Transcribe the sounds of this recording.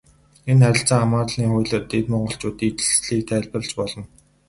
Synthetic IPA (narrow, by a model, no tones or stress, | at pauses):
enχæɾʲɪ̆ɬt͡saːŋamaːt̪ɮniːχʊjɮə̆rt̪et̪mɔɴɢɞ̆ɬt͡ɕʊːt̪iːt͡ɕɘ̥̆ɮt͡sɮiːk̚t̪ʰæːɮpə̆ɬt͡ɕpɔɮɞ̆n